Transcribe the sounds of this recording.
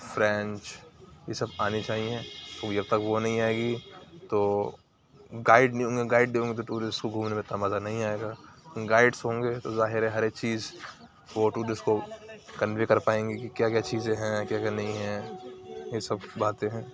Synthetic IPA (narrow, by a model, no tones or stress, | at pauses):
fɾɛ̃ːnt͡ʃjesɐbaːnit͡ʃaːɦiẽt̪od͡ʒɐb̚t̪ɐkʋonɐɦĩaːeɡit̪oː | ɡaːɪɖnĩɦõːŋɡeɡaːɪɖd̪eɦõːŋɡet̪̬oʈuːɾɪskoɡʱuːmnemẽt̪ɐmaːzanɐɦĩaːeːɡaːkɪ̃ɡaːɪɖsɦõːŋɡet̪ozaːɦɪɾɦɛ̃ɦɐɾekt͡ʃiːz | ʋoʈuːɾɪskokɐnʋikɐɾpaːẽːŋɡikikjaːkjaːt͡ʃiːzẽɦɛ̃kjaːkjanɐɦĩɦɛ̃ | jesɐbːaːt̪eɦɛ̃ː